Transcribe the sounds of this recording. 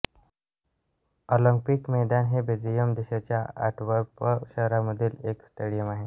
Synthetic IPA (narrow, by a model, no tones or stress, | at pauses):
oləŋpikmɛd̪anɦebed͡zijəmd̪eɕat͡ɕjaa̰ʈʰʋəɾpəɕəɦɾaməd̪ʱiːleksʈeɽijəmaɦe